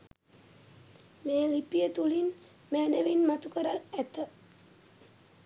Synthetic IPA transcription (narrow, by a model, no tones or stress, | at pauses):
meːlipijət̪ulin | mæːnəʋinmat̪ukəɾalæt̪ə